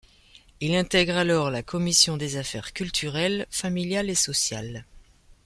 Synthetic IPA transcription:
ilɛ̃t̪ɛɡʁalɔʁlakʰɔmisjɔ̃d̪ezafɛ̰ʁkʲylt̪ʰyʁɛlfamiljalesɔsja̰l

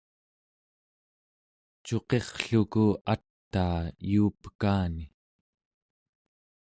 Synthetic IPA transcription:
t͡ʃo̞qe̞χɬukuat̪ːaːjuːpə̥kaːni

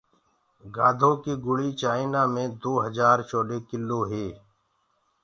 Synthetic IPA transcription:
ɡaːd̪ʱõːkiːɡʊɽiːt͡ʃaːinaːmẽːd̪oːɦəzaːɾt͡ʃoːɖeːkɪlːoːɦeː

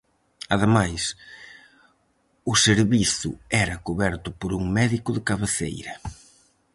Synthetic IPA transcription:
ɐ̰ðemajs | ʊseɾβiθʊ̰ɛɾɐkuβɛɾt̪ʊpoɾuŋmɛðikʊðɪkaβeθḛjɾɐ

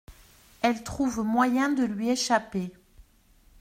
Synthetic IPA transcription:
ɛlt̪χuvmwajɛ̃d̪əlɥieʃape

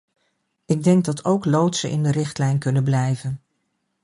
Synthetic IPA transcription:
ɪɡ̚dɛŋɡ̚dɑtʰowklowtsəʔɪ̰ndərɪχtlɛjnkɵnənblɛjvən

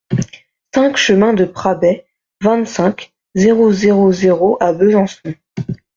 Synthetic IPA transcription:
sɛ̃kʃəmɛ̃d̪əpχabɛ | vɛ̃t̪sɛ̃k | zeʁozeʁozeʁoʔabøzɑ̃sɔ̃

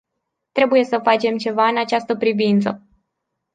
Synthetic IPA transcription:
t̪ɾe̞buje̞səfat͡ʃe̞mt͡ʃe̞vaɨnat͡ʃast̪əpɾivint̪sə

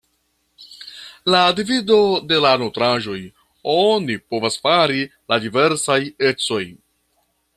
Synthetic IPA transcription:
ladivido̞de̞lanotɾaʒo̞j | o̞nipo̞vasfaɾiladive̞ɾsaje̞t͡so̞j

